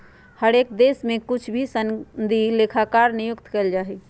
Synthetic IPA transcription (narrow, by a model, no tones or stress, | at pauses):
həɾeːk̚d̪eːsmẽkʊt͡ʃʰbʱisənd̪ileːkʰakaːɾnɪjʊkt̪keld͡ʒaːɦiː